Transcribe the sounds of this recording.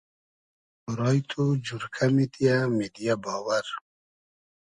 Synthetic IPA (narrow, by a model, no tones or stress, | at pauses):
uɾɑjt̪ʰud͡ʑuɾkʰamit̪ijamed̪ijabɔːwaɾ